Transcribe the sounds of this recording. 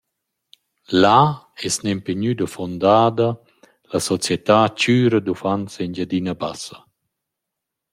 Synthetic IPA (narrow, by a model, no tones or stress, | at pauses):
la | ɛsnempeɲyd̪əfɔnd̪aːd̪ɐ | lasɔt͡sjɛt̪aːt͡ʃyːɾəd̪ufansind͡ʒad̪inaba̰sə